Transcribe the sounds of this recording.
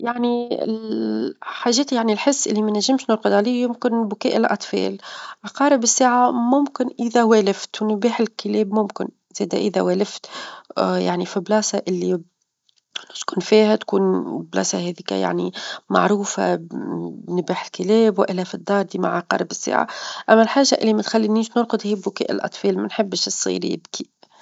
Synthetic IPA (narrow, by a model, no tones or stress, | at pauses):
jaʕniɪ̰ | ħaːʒːeːt̪jaʕnilħɪsːʔɪlːimænæʒːɪmʃnʊɾˤqɨd̪ˤʕaliːjʊmkɪnbʊkeːʔɪllʔɑt̪ˤfɑ̰ːlaqɑːɾˤɪbɪsːeːʕamʊmkɪnʔɪðaweːlɪft̪wnbiːħɪlkɪleːbmʊmkɪn | z̥eːd̪aʔɪðawæːlɪft̪ | ja̰ʕnifiblɑːsaʔɪlːi | lot̪kuːnfiːhæt̪kuːnblɑ̰ːsaheːðika̰ja̰ʕnima̰ʕɾuːfa̰ | nbiːħɪlkɪleːbwʔɪlːæfid̪ːɑːɾˤd̪iːma̰ʕaqɑ̰ːɾˤɪbɪsːḛːʕa̰ʔæmːælħaːʒːaʔɪlːimæt̪xalːiniːʃnʊɾˤqʊd̪hiːbʊkḛːʔɪ̰lʔɑ̰t̪ˤfeːlmænħɪbːɪʃsˤːḭːɾjɪ̰bki